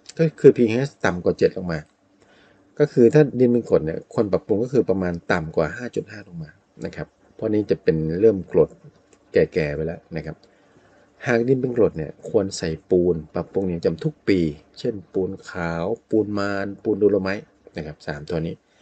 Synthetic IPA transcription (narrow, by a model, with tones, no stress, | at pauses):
kɔ˥˩kʰɯː˧pʰiː˧ŋhɛː˦˥st̪a˨˩mkwaː˨˩t͡ɕe˨˩t̪̚lo˨˩ŋmaː˧ | kɔː˥˩kʰɯː˧t̪ʰaː˥˩di˧npe˧nklo˨˩t̪̚ni˥˩ɐkʰo˧npa˨˩pːu˧ŋkɔ˥˩kʰɯː˧pɾa˧maː˧nt̪a˨˩mkwaː˨˩ɦaː˥˩t͡ɕu˨˩t̪̚haː˥˩lo˧˩ŋmaː˧ | na˦˥kʰa˦˥p̚ʰːɔ˧˥niː˦˥t͡ɕa˨˩pe˧nɾɤː˥˩mklo˨˩t̪̚ | kɛː˨˩kɛː˨˩wa˧jlɛ˦˥na˦˥kʰa˦˥p̚ | haː˨˩k̚di˧npe˧nklo˨˩t̪̚ni˥˩əkʰu˧ənsa˨˩jpuː˧npa˨˩pːu˧ŋniː˦˥˩t͡ɕa˨˩mt̪ʰu˦˥k̚piː˧t͡ɕʰe˥˩npuː˧nkʰaː˩˦wpuː˧nmaː˧npuː˧nduː˧lo˧ma˦˥j | na˦˥˩kʰa˦˥p̚saː˩˦mt̪ʰɔ˧niː˦˥